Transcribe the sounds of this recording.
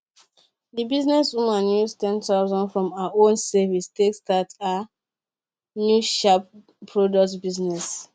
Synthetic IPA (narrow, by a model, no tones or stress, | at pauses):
dibiznɛsumãnjustɛ̃ntaʊzɔ̃ndfɹɔ̃maaʔõnsɛvistekstata | njuʃap̚ | pʰːɹodɔk̚tbiznɛs